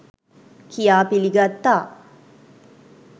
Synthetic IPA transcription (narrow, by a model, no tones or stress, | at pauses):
kijaːpiliɡat̪ːaː